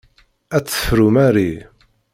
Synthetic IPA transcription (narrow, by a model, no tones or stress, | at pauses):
æt͡sːə̥fɾumæɾi